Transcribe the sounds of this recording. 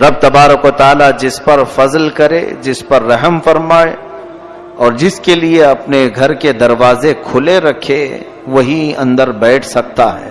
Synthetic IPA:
ɾɐb̚t̪ɐbaːɾəkot̪aːlad͡ʒɪspɐɾfɐzlkɐɾḛd͡ʒɪspɐɾːɐɦəmfɐɾmaːe | ɔːɾd͡ʒɪskelieɐpneɡʱɐɾked̪ɐɾʋaːzekʰʊleɾɐkʰe | ʋɐɦiɐ̰̃nd̪əɾbɛːʈʰsɐk̚t̪aɦɛ̰ː

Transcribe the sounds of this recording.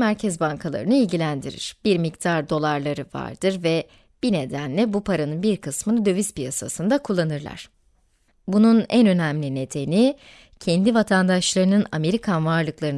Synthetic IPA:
mæɾcʰɛzbaŋkʰalˠa̰ɾɯnɯilʲɟilʲænd̪iɾḭɾ̥b̥iɾmikt̪ʰaɾd̪o̞lˠaɾlˠaɾɯva̰ɾd̪̥ɯɾvɛ | b̥ine̞d̪ænlʲɛbupʰaɾanɯnbiɾkʰɯsmɯnɯd̪ø̞vispijasa̰sɯnd̪akʰulˠːanɯɾlˠa̰ɾ̥ | bununɛnø̞næmlʲine̞d̪e̞ni | cʰɛnd̪ivat̪ʰand̪aʃlˠaɾɯnɯname̞ɾikʰanvaɾlˠɯklˠaɾɯn

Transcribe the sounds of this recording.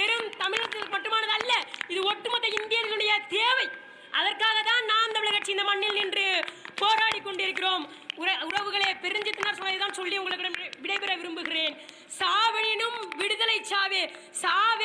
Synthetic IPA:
pɛɾɯmt̪ɐmɪɻɐt̪ːɪlkɯmɐʈːɯmaːnɐðɯɐlːɐɪðɯɔʈːɯmɐt̪ːɐɪnd̪ɪjɐlɐlʊɽɐjɐd̪eːʋɐɪ | ʔɐðɐrkaːɣɐt̪ːaːnnaːnt̪ɐmɪɭɐkɐʈt͡ʃːiɪnd̪ɐmɐɳːɪlnɪndrɯpoːɾaːɽɪkːɔɳɖɪɾɯk̬ːɪroːm | ʊɐʊɾɐʋɯɣɐɭeːpɛɾɪɲd͡ʒɯt̪ːɯnːaːɾsɔnːɐðet̪aːnsɔlːiʊŋɡɐɭɯkːɪɽɐʋɪɽɐɪpɛɾɐʋɪɾɯmbɯɣɪreːn | saːʋɪnɪnɯmʋɪɽɯðɐlɐɪt͡ʃːaːʋeː | saːʋ

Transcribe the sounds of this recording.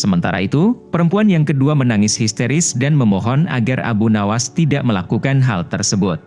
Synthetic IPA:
səmənt̪a̰ɾa̰it̪upəɾəmpuanjaŋkəduamənaŋɪshist̪eɾɪsdanməmɔɦɔna̰ɡara̰bunawast̪idaʔməlakukanɦalt̪ərsəbʊt̪̚

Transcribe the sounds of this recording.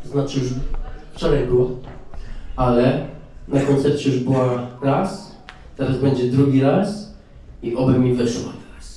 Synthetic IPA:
tɔznat͡ʂɨjuʐft͡ʂɔɾajbɘwa | alɛnakɔnt̪sɛɾt͡ɕɛjuʐbɘwaɾas | t̪ɛɾazbɛɲd͡ʑɛd̪ɾuɡʲiɾas | iʔɔbɘmʲivɛʂwa̰t̪ɾas

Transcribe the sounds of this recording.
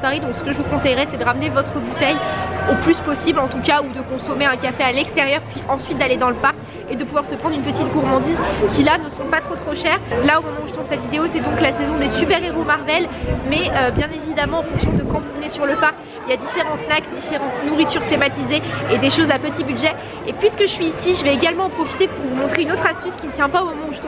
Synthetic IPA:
paʁid̪ɔ̃ksə̥kəʒəvukɔ̃sɛjʁɛsɛd̪əʁamnevɔt̪χəbut̪ɛjoplyspɔsiblɑ̃t̪ukaud̪əkɔ̃sɔmeɛ̃kafealɛkst̪eʁjœʁpɥiʔɑ̃sɥit̪̚d̪aled̪ɑ̃ləpaʁkʲ | ed̪əpuvwaʁsəpχɑ̃d̪ʁynpət̪it̪̚ɡuʁmɑ̃d̪izkʲilanəsɔ̃pat̪χot̪χoʃɛʁlaomɔmɑ̃uʒət̪ʰũsɛt̪vid̪eosɛd̪ɔ̃klasɛzɔ̃d̪esypɛʁeʁomaʁvɛlmɛøbjɛ̃nevid̪amɑ̃ɑ̃fɔ̃ksjɔ̃d̪əkɑ̃vuvənesyʁləpaʁkkʲ | iljad̪ifeʁɑ̃snakd̪ifeʁɑ̃t̪nuʁit̪yʁt̪emat̪izeed̪eʃozapət̪ibyd̪ʒɛ | epɥiskəʒəsɥiːsiʒəvɛeɡalmɑ̃ɑ̃pχɔfi̥t̪epuʁvumɔ̃t̪χeynot̪χast̪yskʲimət̪jɛ̃paomɔmɑ̃uʒət̪

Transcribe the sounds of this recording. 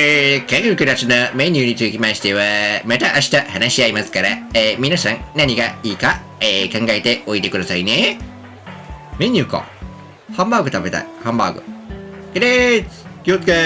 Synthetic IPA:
ekẽŋɡɯɾkɯɾat͡ʃɯnameɲʲɯnʲit̪ɯkʲimaɕi̥t̪eβamet̪aʔaɕi̥t̪ahanaɕiaimasɨ̥kaɾaemʲinasãŋnaɲ̟iɡaiːka | ekãŋɡaet̪e̞oit̪e̞kɯd̪asaine | meɲ̟ʲiɯko̰ | hãmbaɡɯ̟t̪abet̪a̰ihãmba̰ːɡɯ̰keɾekiot̪ka

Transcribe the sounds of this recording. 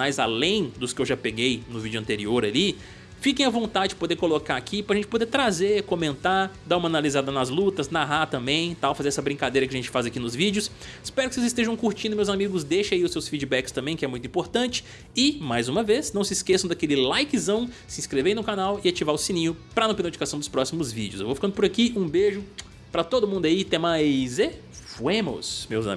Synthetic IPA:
ajza̰lẽj̃d̪ʊskɪewʒapeɡejnʊvid͡ʒʊɐ̃nt̪eɾioɾali | fikẽj̃ɐvõnt̪ad͡ʒɪd͡ʒɪpod̪eɾkolokaakʰipɾɐʒẽt͡ʃɪpod̪et̪ɾazekõmẽnt̪ad̪aũmɐanalizad̪ɐnɐzlut̪ɐznaɦat̪ɐ̃mbẽj̃t̪awfazeɾɛsɐbɾĩŋkad̪ejɾɐkɪɐʒẽt͡ʃɪ̥fazakinʊzvid͡ʒʊs | spɛɾʊkɪsezɪst̪eʒɐ̃w̃kuɾt͡ʃĩd̪ʊmewzamiɡʊzd̪ejʃaiʊsewsfid͡ʒibɛkɪst̪ɐ̃mbẽj̃kɪɛmũj̃t̪ʊĩpoɾt̪ɐ̃t͡ʃɪ̥ | ɪmajzũmɐveznɐ̃w̃sɪskesɐ̃w̃d̪akelɪlajkɪzɐ̃w̃sɪĩskɾeveɾj̃nʊ̃kanawɪat͡ʃivaɾʊsĩnĩɲʊpɾɐnõpinod͡ʒikasɐ̃w̃d̪ʊspɾɔsimʊzvḭd͡ʒɪʊsewvofikɐ̃nd̪ʊpʊɾakiũbeʒʊ | pɾɐt̪od̪ʊmũnd̪ʊait̪ẽmajze | fuemʊ̰smewza̰m

